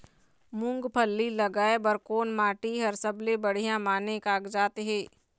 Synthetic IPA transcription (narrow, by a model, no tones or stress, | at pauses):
mʊ̃ŋɡpʰəlːilɐɡaːebəɾkoːnmaːʈiɦɐɾsəblebəɽ̤ijãmaːnekaːɡd͡ʒaːt̪eɦɛ̃ː